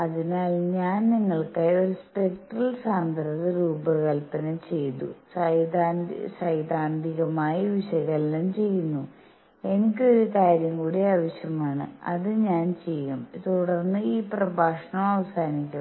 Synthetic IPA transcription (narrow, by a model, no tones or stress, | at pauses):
ɐðinaːlɲaːnniŋːɐɭkajo̞ɾuspekʈrɐlsaːnd̪ʱɐɾɐðɨɾuːbɨkɐlpːɐnɐmt͡ɕe̞jt̪ṵsɐjd̪aːnsɐjd̪aːnd̪ʱiɣɐmaːjɐʋiɕɐɣɐlːɐmt͡ɕe̞jːunːu | e̞nik̬ʲːɨo̞ɾukaːɾjɐmkuːɽiaːʋɐɕjɐmaːɳɨ̰ɐ̰ðɨɲaːnt͡ɕe̞jːumt̪uɽɐrnːɨiːprɐbʱaːʂɐɳɐmɐʋɐsaːnikʲːu